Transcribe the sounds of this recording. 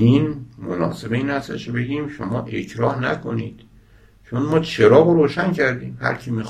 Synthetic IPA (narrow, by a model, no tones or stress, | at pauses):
inmonɒ̰ːse̞beiːnhæst̪ḛʃobe̞ɟiːmʃomɒːʔe̞cʰɾɒːhnæ̰kʰo̞niːd̪̥ | t͡ʃʰonmɒːt͡ʃʰe̞ɾɒːɣoɾoːʃæncʰæɾd̪iːmhæ̰ɾkʰimi